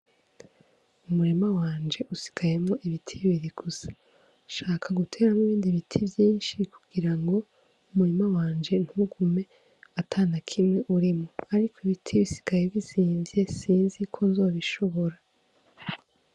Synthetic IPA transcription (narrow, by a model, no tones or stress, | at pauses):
umuɾimawaːnd͡ʒe̞ʔusi̥ɡ̥aje̞mŋo̞ʔiβitʰiβiɾiɡ̥usḁ | ʃaːkʰaɡutʰe̞ːɾamiβiːndiβitʰibjiːnʃikʰuɡiɾaŋɡo̞ | umuɾemawaːnd͡ʒe̞n̥huɡume̞ | atʰaːnakʰimŋe̞ʔuɾimoaɾikʰoiβitʰiβisi̥ɡ̥aje̞βisiːɱvje̞siːnzikʰonzo̞ːβiʃo̞βo̞ɾa